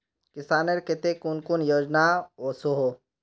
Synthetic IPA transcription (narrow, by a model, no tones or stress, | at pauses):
kɪsaːneɾket̪ekunkunjoːd͡ʒnaoːsoɦo